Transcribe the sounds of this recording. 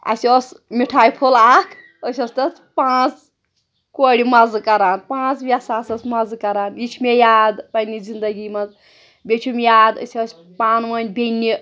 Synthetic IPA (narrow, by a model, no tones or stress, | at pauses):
ɐ̰siosmiʈʰaːjpʰolaːkʰ | əsʲɐst̪ɐs | pãːt͡s | koɽimɐzkɐɾaːnpãːt͡sʋʲɐsaːsɐsmɐzkɐɾaːnit͡ʃʰmejaːd̪pɐnizind̪ɐɡimɐz | bʲet͡ʃʰumʲjaːd̪ə̰sʲiɐsʲ | paːnmɐnʲbʱʲenːi